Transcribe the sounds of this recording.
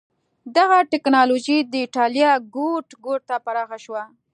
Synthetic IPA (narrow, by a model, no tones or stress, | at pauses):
d̪aɣaʈɪknɑloʒid̪əɪʈɑljɑɡoʈɡoʈ̚t̪apaɾɑxaʃwa